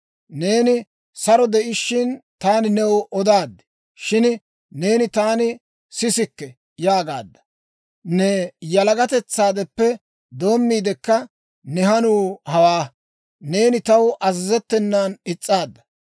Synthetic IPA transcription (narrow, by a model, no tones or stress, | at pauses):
ne̞ːnɪ | sɐɾɔd̪ɛʔɪʃːɪnt̪aːnɪnɛwʔɔd̪aːd̪ːɛ̥ | ʃɪn | ne̞ːnɪt̪aːnɪ | sɪsɪkːɛ | jaːɡa̰ːd̪ːɐ̥ | nɛjɐlɐɡɐt̪ɛt͡sːaːd̪ɛpːɛ | d̪o̞ːmːiːd̪ɛkːɐ | nɛɦɐnuːhɐwaː | ne̞ːnɪt̪ɐwʔɐzɪzɛt̪ːɛnːanɪt͡sʼːaːd̪ːɐ̥